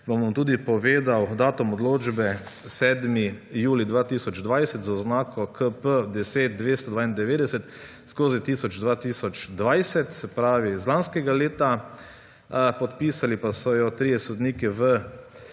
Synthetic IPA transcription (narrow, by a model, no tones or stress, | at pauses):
bomɔmt̪uːd̪ipɔʋeːd̪awd̪aːt̪ɔmɔd̪loːd͡ʒbɛ | sɛːd̪mijuːlid̪ʋaːt̪iːsɔd͡ʒd̪ʋajsɛt̪zaɔznaːkɔkʰəpəd̪ɛseːt̪̚d̪ʋeːst̪ɔd̪ʋaːind̪ɛʋeːd̪ɛsɛt̪ | skoːzit̪isɔd͡ʒd̪ʋaːt̪iːsɔt͡ʃd̪ʋajsɛt̪sɛpɾaːʋizlanskɛɡaleːt̪a | pɔt̪piːsalipasɔjɔt̪ɾijɛsɔd̪niːkɛʋə